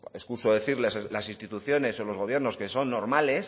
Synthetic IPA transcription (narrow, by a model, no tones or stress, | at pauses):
eskusoðe̞θiɾleslasĩnst̪it̪uθjo̞ne̞so̞lo̞zɣo̞β̞je̞ɾno̞ske̞so̞nːo̞ɾmale̞s